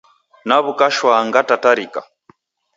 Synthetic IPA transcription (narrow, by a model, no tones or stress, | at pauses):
naβukaʃwaŋɡatataɾika̰